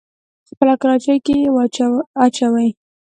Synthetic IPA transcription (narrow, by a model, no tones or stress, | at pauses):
spəlakɾɑt͡ʃajkej | at͡ʃawaj